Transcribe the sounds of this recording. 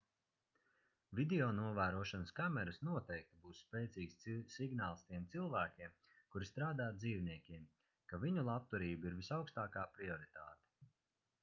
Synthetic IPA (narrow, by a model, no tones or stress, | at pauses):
vʲid̪ʲɛɔːnuɔvæːɾuɔʃanəskamɛɾasnuɔt̪ɛjk̚t̪ibuːsːpɛːt̪siːksːiɡnaːlˠst̪iɛmt̪silˠvæːkʲiɛm | kuɾist̪ɾaːd̪aːd̪ziːvniɛkʲiɛm | kaviɲulˠap̚t̪uɾiːbiɾvisawkst̪aːkaːpɾiɔɾit̪a̰ːt̪ɛ̥